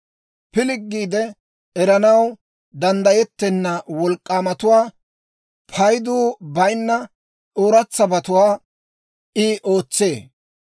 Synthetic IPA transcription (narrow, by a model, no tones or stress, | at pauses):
pɪlɪɡːiːd̪ɛ | ɛɾɐnɐw | d̪ɐnd̪ɐjɛt̪ːɛnːɐwɔlkʼːaːmɐt̪ʊwaː | pʰɐjd̪uːbɐjnːɐ | ʔoːɾɐt͡sːɐbɐt̪ʊwaː | ʔɪʔo̞ːt͡sːe̞ː